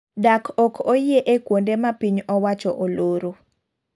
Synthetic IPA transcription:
dakʰɔkʰojeʔekwondemapiɲɔwat͡ʃɔʔoloɾo

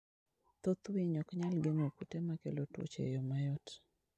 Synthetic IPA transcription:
t̪ot̪wiɲɔkɲalɡeŋokutemakelotṵt͡ʃḛjɔmajɔt

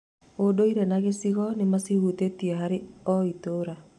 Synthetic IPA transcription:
odoiɾenaɣesiɣɔnemasihutetieɦaɾeɔitoɾa

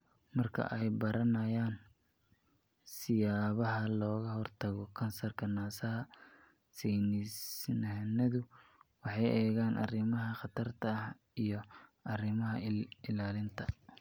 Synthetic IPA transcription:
mɐrkʰɐ̰ʔɛjbɐɾɐnɐjaːn | sɪjaːβɐɦɐlɔːɣɐhɔrt̪ʰɐɣɔkʰɐnsɐrkʰɐnaːsɐɦɐ | sɛjnɪsnɐnɐðʊwɑħɑjɛːɣaːnʔɐ̰rɪmɐɦɐχɑt̪ʰɐrt̪ʰɐh | ijɔɐrɪmɐɦɐɪlaːlɪnt̪ʰɐ

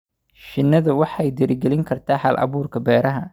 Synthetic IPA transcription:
ʃɪnːɐðɐwɑħɛjd̪ɪɾɪɡɛlɪŋkʰɐrt̪ʰaːħɐlʔɐ̰βuːrkʰɐbɛːɾɐɦɐ

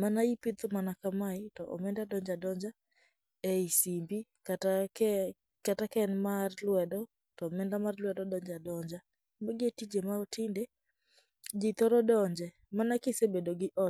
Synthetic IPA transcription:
manaipɪt̪omanakamaɪtɔʔɔ̰mɛndadɔɲd͡ʒadɔɲd͡ʒa | eisimbi | k | katakɛnmarlwɛdɔ | tɔmɛndamarlwɛdɔdɔɲd͡ʒadɔɲd͡ʒa | maɡɪetid͡ʒemaɔtɪnde | d͡ʒit̪ɔɾɔdɔɲd͡ʒɛ | manakɪsebedoɡɪʔɔ

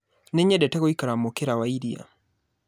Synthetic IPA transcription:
nɛɲɛdɛtɛɣoikaɾamokeɾawaiɾia̰

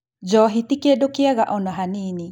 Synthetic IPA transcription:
d͡ʒɔːɦit̪ikedokeaɣaʔɔnɔɦaniːni

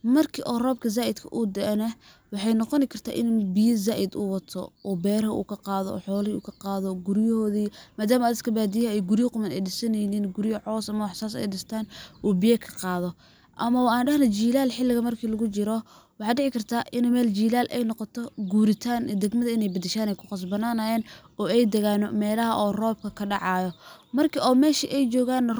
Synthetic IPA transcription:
mɐrkʰiːʔɔːrɔːb̚kʰɐz̬aːʔɪd̪kʰɐʔud̪ɛʔnɐ | wɑħɑjnɔqɔnɪkʰɐrt̪ʰa̰ːʔɪnbɪjɐzaːʔɪd̪uːwɐt̪ʰɔ̰ʔɔːbɛːɾɦɐṵːkʰɐqɑːðɔ̰ɔ̰ːħɔːlɪṵːkʰɐqɑːðɔɡʊɾjɔhɔːðiːmaːd̪aːmɐɐd̪d̪kʰɐbaːd̪ijɐɛjɡʊɾɪjɐqʊmɐnɛjɖɪsɐnɛjniːnɡʊɾɪjɐʕɔːsɐmɐwħsaːsɛ̰jɖɪst̪ʰaːnʔuːbɪjɛkʰɐ̥qɑːðɔ | ʔɐmɐwaːnɖɐhnɐt͡ʃiːlaːlħɪlːɪɣɐmɐrkʰiːlɐɣʊt͡ʃɪɾɔ | wɑħɑːd̪ɖɪʕɪkʰɐrt̪ʰaːʔɪnːmɛːlt͡ʃiːlaːlʔɛ̰jnɔqɔt̪ʰɔɡuːɾɪt̪ʰaːnd̪ɛɡmɐðɐɪnɛjbɐd̪ɛʃaːnɛjkʰʊ̥qɑs̬bɐnaːnajɛːnɔːɛjd̪ɛɣaːnɔmɛːlɐɦɐʔɔːrɔːb̚kʰɐkʰɐɖɑʕɑːjɔmɐrkʰiɔːmɛːʃiʔɛjt͡ʃɔːɣaːn

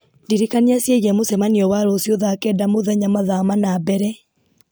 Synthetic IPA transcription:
ndiɾikaniasjeɣiɛmosɛmaniɔwaɾɔːsjoðaːkɛdamoðɛɲamaðamanabɛɾɛ

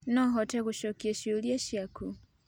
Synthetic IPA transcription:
nɔɦɔtɛkuʃɔkiɛʃiuliaʃiakʰu

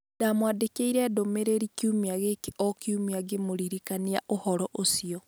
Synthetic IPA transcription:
damwadekeiɾɛdomeɾeɾikjumiaɣekeʔɔkjumiaɡemoɾiɾikania̰ʔohɔɾɔʔosiɔ

